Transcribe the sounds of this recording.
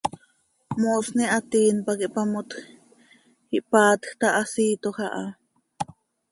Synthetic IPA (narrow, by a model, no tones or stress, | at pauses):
mosniʔat̪iːnpakiʔpamot̪x | iʔpaːt̪xt̪aʔasiːt̪oxaʔa̰